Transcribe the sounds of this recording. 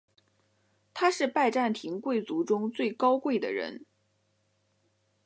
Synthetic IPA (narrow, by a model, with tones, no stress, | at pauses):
t̪ʰa˥ʂɻ̩˥˧pa˥˧ɪʈ͡ʂa˥˩nt̪ʰi˧˥ŋkwe˥˩ɪt͡su˧˥ʈ͡ʂʊ˥ŋt͡swe˥˩ɪkɑ˥ʊkwe˥˩ɪd̪ə̰˩ɻə̰˧˥n